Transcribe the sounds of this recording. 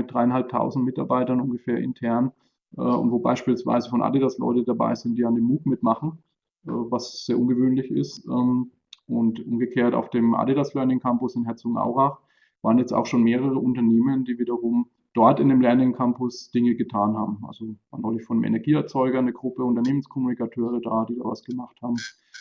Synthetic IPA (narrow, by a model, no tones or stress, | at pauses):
mɪtd̥ʁaɪanhalp̚tʰa̰ʊzn̩tmɪta̰ɐbaɪtɐnʊnɡəfeːɐʔɪ̰ntʰɛɐn | ʔɛːʊ̰ntv̥oːba̰ɪʃpiːlsv̥a̰ɪzəfɔnʔa̰didaslɔ̰ʏtəd̥aba̰ɪzɪntd̥iːandeːmuːtmɪtmaχn̩ | ʔɛːvasz̥eːɐʔʊnɡəvøːnlɪçɪ̰stʔɛm | ʔʊntʔʊmɡəkʰeːɐta̰ʊfd̥eːmʔa̰didaslœɐnɪŋkʰampʊsɪnɦɛɐt͡sʊŋʔa̰ʊʁaχ | v̥aːənjɛt͡sta̰ʊxʃoːnmeːʁəʁ̞əʔʊntɐneːməndiːviːdɐʁʊm | d̥ɔɐtɪndeːmlɛɐnɪŋkʰampʊsd̥ɪŋəɡətʰaːnhaːbm̩ʔa̰lzo̥aːnɔɪlɪçfɔndəmʔɛ̰nɛɐɡiːɛɐt͡sɔʏɡɐnəɡʁʊpəʊntɐneːmənskʰɔmunikatʰøːʁəda̰ːdiːda̰ːva̰sɡ̥əmaχthaːbm̩